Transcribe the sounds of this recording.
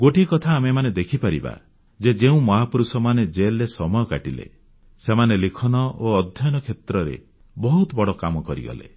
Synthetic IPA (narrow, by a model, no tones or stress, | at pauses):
ɡoʈikɔt̪ʰaːmemaned̪ekʰipaɾḭba̰ | d͡ʒed͡ʒeũmɔɦapuɾusɔmaned͡ʒelːesɔmɔjɔkaʈilḛ | semanelikʰɔnɔʔoɔd̪ʱjɔjɔnɔkʰet̪ɾɔɾḛ | bɔɦut̪ɔbɔɽɔkamɔkɔɾḭɡɔ̰lḛ